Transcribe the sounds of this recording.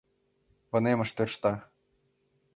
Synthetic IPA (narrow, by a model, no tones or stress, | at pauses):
vɤ̆nemɤ̆ʂt̪ørʃt̪ɑ